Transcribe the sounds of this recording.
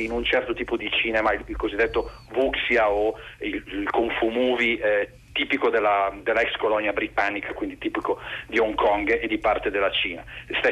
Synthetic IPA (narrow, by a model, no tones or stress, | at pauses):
inunt͡ʃɛrt̪ot̪iːpod̪it͡ʃiːnemaililkozid̪ːet̪ːo | vuksjaoillkoɱfumuːvi | t̪iːpikod̪elːad̪elːaɛkskolɔnːjabɾit̪anːikakwind̪it̪iːpikod̪ioŋkɔŋɡed̪ːipart̪ed̪elːat͡ʃiːnast̪ɛ